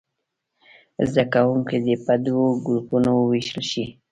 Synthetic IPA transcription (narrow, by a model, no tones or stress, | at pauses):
zd̪akawuŋked̪əpad̪woɡɾupunawəweʃəlʃi